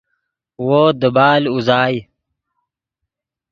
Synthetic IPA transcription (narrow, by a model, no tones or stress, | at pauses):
woːd̪əbaːluzaːj